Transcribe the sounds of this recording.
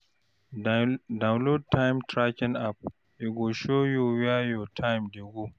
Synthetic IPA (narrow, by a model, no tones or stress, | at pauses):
dawnlod̚tʰːajmtɾakʲɪnap̚ | ʔiɡoʃojuwajotʰajmdeɡu